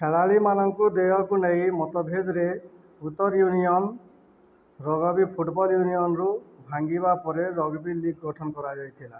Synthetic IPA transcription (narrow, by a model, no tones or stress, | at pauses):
kʰeɭaɭimanɔŋkud̪ejɔkunej̃mɔt̪ɔbʱed̪ɾe | ut̪ːɔɾjuniɔn | ɾɔɡɔbipʰuʈbɔljuniɔnɾubʱaŋɡibapɔɾeɾɔɡbiliɡ̚ɡɔʈʰɔnɔkɔɾad͡ʒajt̪ʰila